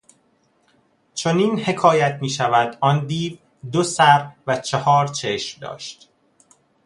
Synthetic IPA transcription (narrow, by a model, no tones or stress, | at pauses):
t͡ʃʰoniːnhe̞kʰɒːjæt̪ʰmiːʃævæd̪ɒːnd̪iːv | d̪osæɾvæt͡ʃʰehɒːɾt͡ʃʰeʃmd̪ɒ̰ːʃt̪